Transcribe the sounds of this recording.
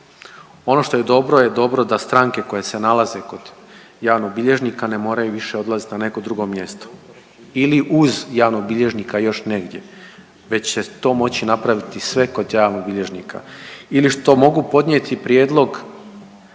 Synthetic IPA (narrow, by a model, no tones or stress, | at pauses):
o̞no̞ʃt̪o̞je̞d̪o̞bɾojed̪o̞bɾo̞d̪ast̪ɾaːŋke̞ko̞jese̞nalˠaze̞ko̞d̪ | jaːʋnobiʎe̞ʒnikane̞mo̞ːɾajuʋiʃe̞o̞d̪lˠazit̪inane̞ko̞d̪ɾuɡo̞mje̞st̪o̥ | iliʔuzjaːʋnobiʎe̞ʒnikajo̞ʃne̞ɡd̪je | ʋe̞t͡ɕset̪o̞ːmo̞t͡ɕinapɾaʋit̪isʋe̞ko̞d̪jaːʋnobiʎe̞ʒnḭkʰa̰iliʃt̪o̞mo̞ɡupo̞d̪nʲjet̪ipɾjeːd̪lˠo̞ɡ